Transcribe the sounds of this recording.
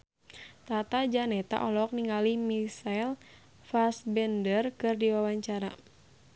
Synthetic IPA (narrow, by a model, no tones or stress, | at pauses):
t̪at̪ad͡ʒanɛt̪a̰ʔɔlɔk̚niŋalimisajl | fasbɛndərkɨrdiwawaɲt͡ʃaɾa̰